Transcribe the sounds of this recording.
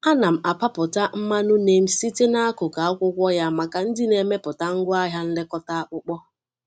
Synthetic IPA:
a˦na˨m̩˨a˨pa˦pʊ˨ta˦m̩˦ma˦nʊ˦ne˨m̩˦si˦ti˦na˦a˦kʊ˨ka˨a˦kʷʊ˦kʷɔ˦ja˦˨ma˨ka˨n̩˦dɪ˦ne˨me˦pʊ˨ta˦ŋ̩˦ɡʷʊ˦a˦ɦja˦n̩˦lɪ˦kɔ˦ta˦a˦k͡pʊ˦k͡pɔ˦

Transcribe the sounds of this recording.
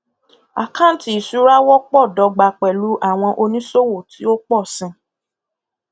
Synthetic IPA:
a̰˨kã˦˨˦ti˨i˨su˨˦ɾa˦wɔ˦k͡pɔ˦˨dɔ˨˧ɡ͡ba˧k͡pɛ˨lu˨˦ʔa˦˨w̃ɔ̃˧ʔo˧nĩ˦so˦wo˦˨ti˨˦o˦k͡pɔ˦˨sĩ˧˦

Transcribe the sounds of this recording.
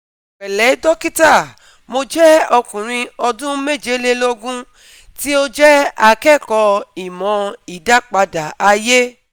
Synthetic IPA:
k͡pɛ˨lɛ˨˦dɔ˦ki˦ta˦˨ | mo˧d͡ʒɛ˦ɔ˧kũ˨ɾ̃ĩ˧ɔ˧dũ˦me˦˨d͡ʒe˨˦le˦lo˦ɡũ˦ | ti˦o˦d͡ʒɛ˦a˧kɛ˦˨kɔ˧i˨mɔ̃˨˧i˨da˦k͡pa˧da˨a˧je˦

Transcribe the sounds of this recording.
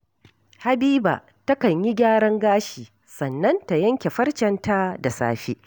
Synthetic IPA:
ha˨biː˦ba̰ː˨ | tɐ˦kɐ˨ɲji˦ɡʲaː˦ɽɐ˦ŋɡaː˦ʃiː˨ | sɐ˨nːɐ˦nta˨jɐ˦ŋkʲe˨ɸɐ˦rt͡ʃɛ˨nta˦da˨sa̰ː˦ɸi˦

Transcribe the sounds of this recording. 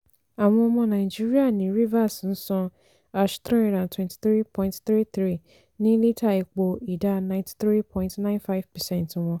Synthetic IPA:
a˨w̃ɔ̃˧ɔ˧mɔ̃˧nã˨ɪ˨d͡ʒi˦ɾi˦a˦nĩ˨ɾi˦va˦˨sn̩˦sɔ̃˧ | a˨ʃt̪ɾɔ̃˦ɾã˨ntwɛ̃˨ntʰi̥˨θɾi˦pʰɔ̃˨ĩntt̪ɾi˦θɾi˦˨ | nĩ˦li˦tʰa˦˨e˨k͡po˧i˨da˦nã˨ɪ̃ntʰi̥˨θɾi˦pʰɔ̃˦ĩntnã˦ɪ̃˦nfa˦vpɛ˨sɛ̃˦nt̩˦w̃ɔ̃˧

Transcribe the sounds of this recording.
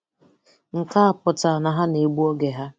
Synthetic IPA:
ŋ̩˨ka˦a˨pʊ˨ta˨na˨ɦa˦ne˨ɡ͡bu˦ɔ˦ɡe˨ɦa˦

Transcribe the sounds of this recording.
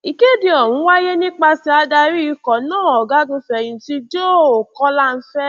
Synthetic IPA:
i˨ke˦di˧ɔ˨ɾũ˨˦wa˦je˦nĩ˦k͡pa˧si˧a˧da˧ɾi˦i˧kɔ˨nãː˦˨ɔ˨ɡa˨˦ɡũ˧fɛ˨j̃ĩ˨ti˧d͡ʒo˦˨o˨kɔ˦la˦˨n̩˦fɛ˦

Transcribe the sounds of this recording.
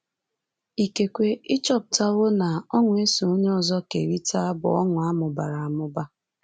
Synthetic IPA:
i˨ke˨kʷe˨ɪ˦t͡ʃɔ˦p̚ʊ˨ta˦ɣʊ˦na˨ɔ˦ŋʷʊ˨e˦su˨o˦ɲe˦ɔ˦zɔ˦ke˨ɾi˦ta˦bʊ̰˨ɔ˦ŋʊ˨a˦mʊ˨ba˨ɾa˨a˨mʊ˦ba˦

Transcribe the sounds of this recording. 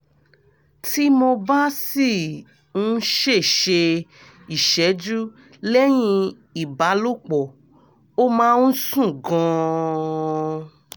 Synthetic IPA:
ti˦mo˧ba˦si˦˨ | ũ˦ʃe˦˨ʃe˧ | i˨ʃɛ˨˦d͡ʒu˦ | lɛ˦j̃ĩ˧ | i˨ba˨˦lo˦˨k͡pɔ˨ | o˦mãː˦ũ˦sũ˦˨ɡɔ̃˧

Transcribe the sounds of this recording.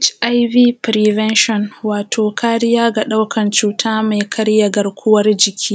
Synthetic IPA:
t͡ʃʔa˦jviː˦pɾi˨vɛ˦nʃɔ˨nwaː˨tʰoː˨kaː˦ɽɪ˦jaː˦ɡa˨ɗa˦wkʰɐ˨nt͡ʃuː˨tʰaː˦ma˨jkʰɐ˦ɽja˨ɡɐ˨rkʷʊ˦wɐ˦rd͡ʒɪ˨kʲʰiː˦

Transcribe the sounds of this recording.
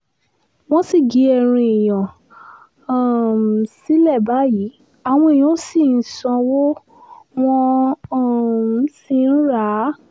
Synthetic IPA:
w̃ɔ̃˦si˦˨ɡi˨˦ɛ˧˨ɾ̃ĩ˧e˨j̃ɔ̃˨ | a˦˨m˨si˦lɛ˦˨ba˦ji˨˦ | a˨w̃ɔ̃˧e˨j̃ɔ̃˨˦si˦˨n̩˨˦sɔ̃˧wo˦ | w̃ɔ̃˧˦˨ | m˨˦si˦˧˨n̩˦ɾa˦

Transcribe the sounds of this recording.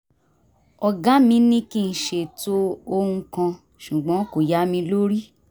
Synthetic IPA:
ɔ˧˨ɡã˨˦mĩ˧˦nĩ˦ki˦n̩˨ʃe˨to˦o˧hũ˧kã˧ | ʃu˨ɡ͡bɔ̃˨˦ko˨ja˨˦mĩ˧lo˦ɾi˦

